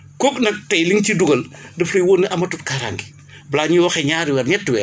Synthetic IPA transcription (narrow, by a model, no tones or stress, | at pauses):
kɔknɐk̚tɐjliŋciduɡɐldɐflɐjwoːnːiʔɐmɐtutkaɾa̰ŋɡi | blaːɲuwɐxɛɲaːɾiwɛɾɲɛtːuwɛ